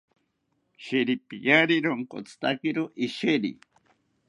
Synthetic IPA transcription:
ʃeɾipijaɾiɾoŋko̰t͡st̪akiɾoʔiʃeɾḭ

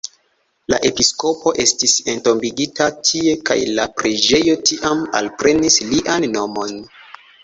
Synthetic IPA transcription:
la̰ʔe̞pisko̞po̞ʔe̞stise̞nto̞mbiɡitatʰie̞ka̰jlapɾed͡ʒe̞jo̞tiʔama̰lpɾe̞nisliʔanːo̞mo̞n

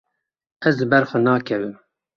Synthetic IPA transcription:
ɛzlɨbɛɾxɔnɑːkʰɛvɨm

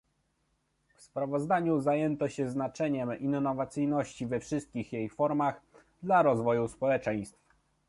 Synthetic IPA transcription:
fspɾavɔzd̪aɲuzajɛnt̪ɔɕɛznat͡ʂɛɲɛminːɔvat̪sɘjnɔɕt͡ɕivɛfʂɘst̪̚kʲixjejfɔɾmaɣd̪laɾɔzvɔjuspɔwɛt͡ʂɛj̃st̪f

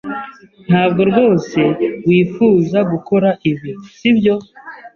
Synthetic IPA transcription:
n̥haːb̚ɡo̞ɾɡo̞ːse̞wiːfuːzaɡuko̞ɾaʔiβiɾusibjo̞

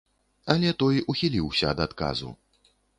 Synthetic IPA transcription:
ɐlʲɛt̪ɔjuxʲilʲiwsʲɐːd̪at̪ka̰zṵ

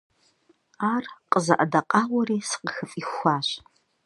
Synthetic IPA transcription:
aːrqʼəzɐ̰ʔadɐqʼaːwɐriːsɨ̥qəxɨfʼixʷaːɕ

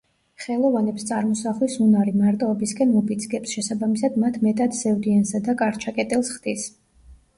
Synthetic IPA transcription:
χɛlˠɔvanɛpst̪sʼaɾmɔsaχlisunaɾimaɾt̪ʼɔɔbiskʼɛnupʰʼid̪sɡɛpsʃɛsabamisad̪mat̪ʰmɛt̪ʼad̪zɛvd̪iansad̪akʼaɾt͡ʃʰakʼɛt̪ʼilˠsχd̪̥is

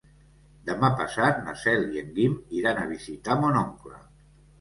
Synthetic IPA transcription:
d̪əmapasat̪̚na̰sɛljeŋɡimiɾanaβ̞izit̪amonoŋklə̰

